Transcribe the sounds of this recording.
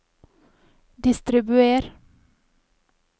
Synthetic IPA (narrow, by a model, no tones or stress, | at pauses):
d̪ɪst̪ɾɪbʉeːɾ